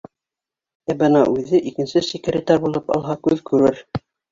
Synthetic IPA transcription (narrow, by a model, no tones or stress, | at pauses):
æbɤnɑʔʉðɘʔikɘ̆nsɘsikɘ̆ɾɘt̪ɑɾbulˠɤpɑ̰lˠɦɑkʉðkʉɾɘɾ